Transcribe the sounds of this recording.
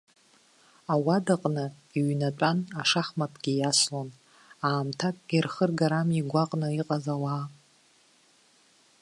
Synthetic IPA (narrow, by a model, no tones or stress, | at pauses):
awadaqʼnɨ | iɥnatʷʼanaʂaχmapʰʼɡ̥ʲijaslon | aːmtʰakʼɡʲɪrχərɡaɾamiɡʷaqʼnɨiqʼazalaː